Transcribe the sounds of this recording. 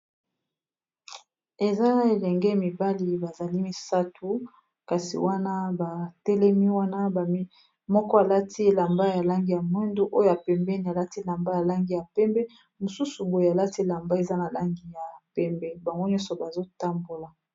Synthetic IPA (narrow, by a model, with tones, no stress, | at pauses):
e˨za˦na˨e˨lɛ˨ŋɡɛ˦mi˨ba˦li˨ba˨za˨li˦mi˨sa˦tʰu˨ | ka˨sḭ˨wa˦na˦ba˨tɛ˦lɛ˦mi˦wa˦na˦ba˨˦ | mɔ˦kɔ˦a˨la˦tʰi˦la˨mba˦ja˨la˦ŋɡi˨ja˨mwɛ˦ndo˦ʔo˦jo˦ja˨pɛ˨mbɛ˦ni˨a˨la˦ti˦la˨mba˦ja˨la˦ŋɡi˨ja˨pɛ˦mbɛ˦ | mo˨su˦su˨bo˨je˨a˨la˦ti˦˨la˨mba˦e˨za˦na˨la˦ŋɡi˨ja˨pɛ˦mbɛ˦ba˨ŋɡo˦ɲɔ˦sɔ˨ba˨zo˦ta˦mbo˨la˨